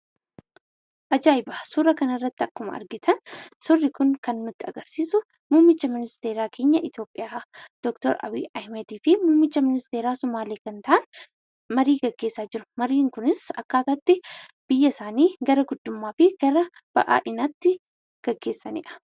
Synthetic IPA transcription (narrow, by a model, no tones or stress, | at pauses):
ʔɐd͡ʒaːɪbɐsuːɾɐkɐnɐrːɐt̪ːɪɐkːʊmɐ̰ɐ̰ɾɡɪt̪ʰɐnsɔrːɪkʊŋkɐnːʊt̪ːɪɐɡɐɾsiːsʊ | muːmːɪt͡ʃːɐmɪnɪst̪e̞ːɾaːkʰe̞ːɲːɐʔɪt̪jo̞ːpʼːɪjaːd̪̥ɔkt̪ɔ̰ɾʔɐ̰biːʔɐhmɛd̪iːfɪmuːmːɪt͡ʃːɐmɪnɪst̪e̞ːɾaːsʊmaːle̞ːkɐnt̪ɐʔɐn | mɐɾiːɡɐɡːeːsːaːd͡ʒɪɾʊ̥mɐɾiːŋkʊnɪsɐkːaːt̪ɐt̪ːɪb̥ɪjːɐsaːniːɡɐɾɐɡʊd̪ːʊmːaːfɪɡ̥ɐɾɐ | b̥ɐ̰ʔa̰ːʔɪnɐt̪ːɪ | ɡ̥ɐɡːe̞ːsːɐnɪ̰ʔɐ̥